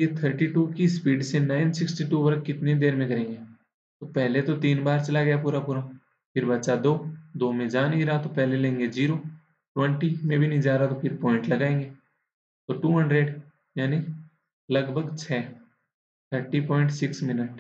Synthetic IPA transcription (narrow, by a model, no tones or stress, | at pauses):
jet̪ʰəɾʈiʈuːkispiːɖsenaːɪnsɪksʈiʈuʋəɾkkːɪt̪ned̪eːɾmẽkɐɾẽːŋɡe | t̪opɛɦlet̪ot̪iːnbaːɾt͡ʃɐlaɡɐjapuːɾapuːɾa | fʰɪɾbɐtːʃad̪oːd̪oːmẽd͡ʒaːniɾaːt̪opɛɦlelẽːŋɡed͡ʒiːɾo | ʈwɛ̃ɳʈimẽbʱinɐĩd͡ʒaːɾat̪ofʰɪɾpɔːɪ̃ɳʈlɐɡaːẽːŋɡeː | t̪oːʈuːɦɐ̃ɳɖɾeɖ | jaːni | lɐɡbʱəɡt͡ʃʰɛː | t̪ʰəɾʈipɔ̃ːɪ̃ɳʈsɪksmɪnəʈ